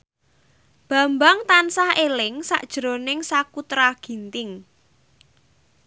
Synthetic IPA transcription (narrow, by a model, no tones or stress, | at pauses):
b̥ä̤mbaŋt̪ansahelɪŋsa̰ʔd̥ʒ̥ɾo̤nɪŋsakut̪ɾaɡ̥i̤nt̪ɪŋ